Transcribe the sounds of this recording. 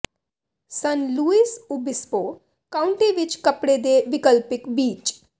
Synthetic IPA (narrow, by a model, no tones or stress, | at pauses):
sənluːiːsubɪspoː | kaːʊ̃ɳʈiʋɪt͡ʃkɐpɽed̪eʋɪkəlpɪkbiːt͡ʃ